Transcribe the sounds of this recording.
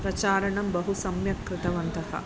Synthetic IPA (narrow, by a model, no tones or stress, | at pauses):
pɾɐt͡ʃaːɾɐɳɐmbɐɦusɐmjɐkɾɪt̪ɐʋɐnt̪ɐɦɐ̰